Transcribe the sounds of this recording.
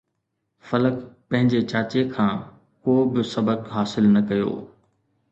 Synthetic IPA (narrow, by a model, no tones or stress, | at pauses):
fɐləkpɐ̃ɦɪ̃ɲd͡ʑet͡ɕaːt͡ɕekʰãː | koːbɪsɐbəkɦaːsɪlnɐkɐjo̰ː